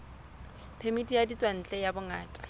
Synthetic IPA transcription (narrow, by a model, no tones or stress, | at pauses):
pʰemitʼijadit͡sʼwan̩t͡ɬʼɛjabʊŋaːtʼḁ